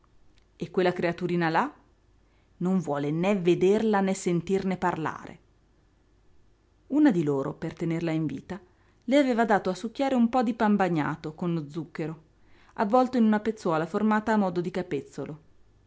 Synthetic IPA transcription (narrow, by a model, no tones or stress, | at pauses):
ekːwelːakɾeat̪uɾiːnala | noɱvwɔːlenɛved̪erlanesːent̪irneparla̰ːɾḛ | unad̪iloːɾo̰pert̪enerlaiɱvḭːt̪a | leaveːvad̪aːt̪oasːukːaːɾeumpɔd̪ipambaɲːa̰ːt̪okonlod̪zːukːeɾo | ʔavːɔlt̪oinunapet̪sːwɔːlaformaːt̪aːmɔːd̪od̪ikapet̪sːolo